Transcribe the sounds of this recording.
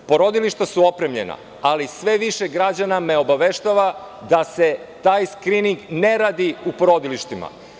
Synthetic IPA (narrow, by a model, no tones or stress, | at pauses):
po̞ɾo̞d̪iliʃt̪asuo̞pɾe̞mʎḛna̰ | alisʋe̞ʋiʃeɡɾad͡ʑaname̞o̞baʋe̞ʃt̪aʋa | d̪ase̞t̪aːjskɾiniŋɡne̞ɾaːd̪iupo̞ɾo̞d̪iliʃt̪ima̰